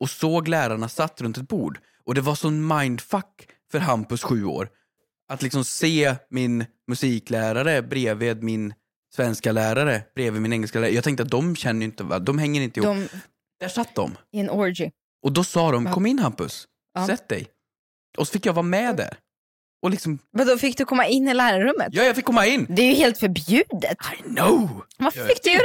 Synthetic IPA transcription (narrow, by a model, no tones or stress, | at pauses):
ɔsoːɡlæːɾaɳasat̪ːɾɵnt̪̬ɛt̪̚bṵːɖ | ʔɔd̪ɛvaʂɔmmaɪnd̪fakːfœɾɦampɵsɧʉ̟ːo̰ːɾ | ʔat̪lɪksɔmseːmɪn | mɵsiːklæːɾaɾəbɾeːveːd̪mɪn | svɛnskalæːɾaɾəb̥ɾeːvɪːd̪mɪnɛŋːɛlskalæːɾjɑɡt̪ɛŋkt̪əat̪̚d̪ɔmɕɛnːəjɪnt̪əva̰d̪ɔmɦɛŋːəɾɪnt̪əɪh | d̪̥æʂat̪̚ːd̪ɔ̰mɪɛnɔɾd͡ʒɪ | ʔɔd̪ɔsɑːd̪ɔmkkʰɔmːɪnːhampɵ̰s | sɛt̪̚d̪ɛ̰j | ʔɔsɔ̥fɪkjɑvɑːɾamɛd̪æ̰ɾ | ʔɔlɪksɔmvad̪ɔfɪk̚d̪ɵkʰɔmːaɪnːɪlæːɾaɾɵmːə̰t̪jɑːjafɪkːɔmːaɪnːd̪ɛæjɵheːlt̪fœɾbjʉ̟ːd̪ət̪ajnovafɪkːd̪